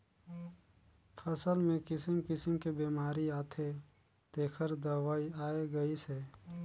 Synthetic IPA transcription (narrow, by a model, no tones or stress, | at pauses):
pʰəsəlmẽkɪsəmkɪsəmkebeːmaːɾiaːt̪ʰe | t̪eːkʰəɾd̪əwaːiaːeɡəise